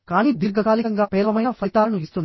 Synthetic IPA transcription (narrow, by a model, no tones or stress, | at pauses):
kaːniːd̪iɾɡɐɡaːlikɐŋɡaːpɛːlʋɐmɐjnɐfʰɐjt̪aːlɐnuist̪und̪